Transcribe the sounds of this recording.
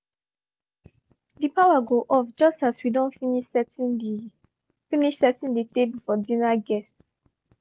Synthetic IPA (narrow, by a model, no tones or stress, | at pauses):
dipawaɡoʔɔfd͡ʒʌstaswidõnfiniʃsɛt | finiʃsɛtĩnditeblfɔdĩnaɡɛst